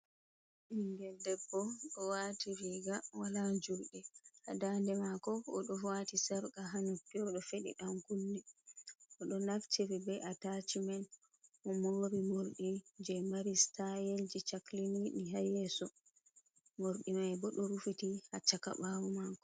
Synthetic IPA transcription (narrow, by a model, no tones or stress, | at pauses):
ʔiŋɡɛldɛbːɔɗɔwatiɾiɡawalad͡ʒuɾɗɛʔa̰dandɛmakɔɔɗɔfatisaɾkaɦanutːiɔɗɔfeɗḭɗamkunːɛʔɔɗɔnaft͡ʃiɾibɛʔatat͡ʃimɛn | ʔɔmoːɾimoɾɗid͡ʒɛmaɾistajeld͡ʒit͡ʃaklininiɦajɛsɔ | moɾɗimajbɔɗɔɾufitihat͡ʃːaka̰ɓawumaːkɔ